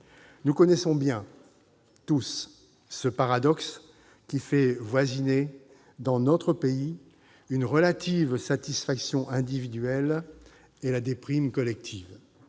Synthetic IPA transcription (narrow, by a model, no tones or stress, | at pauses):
nukɔnɛsɔ̃bjɛ̃ | t̪usː | əpaʁad̪ɔks | kʲifɛvwazine | d̪ɑ̃nɔt̪χəpei | ynʁəlat̪ivsat̪isfaksjɔ̃ʔɛ̃d̪ivid̪ɥɛl | elad̪epχimkɔlɛk̚t̪ʰiːv